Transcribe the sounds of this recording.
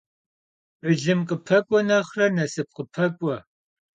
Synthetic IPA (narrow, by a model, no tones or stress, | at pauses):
ɨɮɨmqʼəpʰɐkʷʼɔnɐχrɐnɐsɨp̚qəpʰɐkʷʼɔ